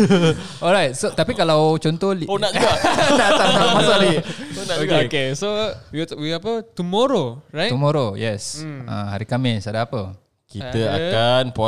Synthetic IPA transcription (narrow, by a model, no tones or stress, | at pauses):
ɔlɹajt̚sot̪apikalawt͡ʃɔnt̪ɔhlionaʔd͡ʒanatatamasalionaoɡeokesojutwiapət̪umoɾoɹajt̪umoɾojɛsã̰ha̰ɾikamɪsadaapə | kit̪əa̰kanpɔ